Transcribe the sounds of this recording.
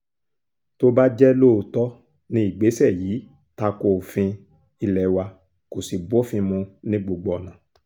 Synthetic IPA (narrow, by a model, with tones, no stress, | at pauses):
to˦ba˦d͡ʒɛ˦lo˦˨tɔ˦ | nĩ˦i˨ɡ͡be˨˦sɛ˦˨jiː˨˦ | ta˧ko˨fĩ˧ | i˧lɛ˨wa˧ | ko˨si˨bo˨˦fĩ˧mũ˧nĩ˦ɡ͡bo˧ɡ͡bɔ˧˨nã˨˦